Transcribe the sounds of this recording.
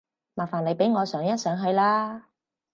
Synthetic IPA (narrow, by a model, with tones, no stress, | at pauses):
maː˨˩faː˨˩nle˨˧jpe˨˥jŋɔː˨˧sœː˨˧˥ŋjɐ˥t̚sœː˨˧˥ŋɦɵ˧ɥlaː˥